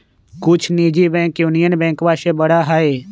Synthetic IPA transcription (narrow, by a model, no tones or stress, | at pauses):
kʊt͡ʃʰniːd͡ʒibɛ̃ːkjunijənbɛ̃ːkʋaːʃebəɽaɦaːeː